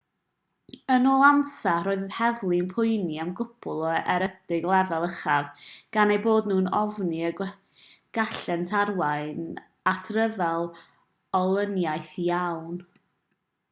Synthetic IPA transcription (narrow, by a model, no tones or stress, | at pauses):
ənɔːlˠansaroːɨððhɛvlˠinpʰʊɨniamɡʊpʰʊlˠɔɛɾədɪɡlˠɛvɛlˠəχavɡ̥anejboːdnuːnɔvniə | ɡ̥aɬɛntʰarwajn | atʰrəvɛlˠ | ɔlˠənjajθijawn